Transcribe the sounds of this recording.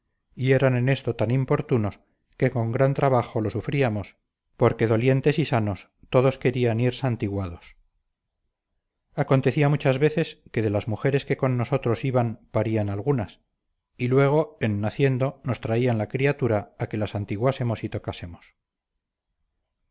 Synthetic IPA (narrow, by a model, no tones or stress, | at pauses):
ie̞ɾane̞ne̞st̪o̞t̪animpo̞ɾt̪uno̞s | ke̞ko̞ŋɡɾant̪ɾaβaχo̞lo̞sufɾiamo̞s | po̞ɾke̞ðo̞lje̞nt̪e̞sisano̞s | t̪o̞ðo̞ske̞ɾianiɾsant̪iɣwaðo̞s | ako̞nt̪e̞θiamut͡ʃazβe̞θe̞ske̞ðe̞lazmuxe̞ɾe̞ske̞ko̞nːo̞so̞t̪ɾo̞siβanpaɾianalɣunas | ilwe̞ɣ̞o̞enːaθje̞nd̪o̞no̞st̪ɾaianlakɾiat̪uɾaːke̞lasant̪iɣwase̞mo̞sit̪o̞kase̞mos